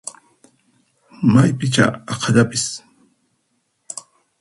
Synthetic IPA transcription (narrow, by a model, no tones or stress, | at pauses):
majpɪt͡ʃa̰ɑqʰɑʎapɪs